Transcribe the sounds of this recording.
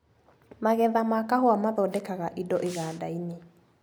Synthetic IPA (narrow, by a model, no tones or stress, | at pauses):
maɣɛðamakahoamaðɔdɛkaɣaʔidɔʔeɣaːdaine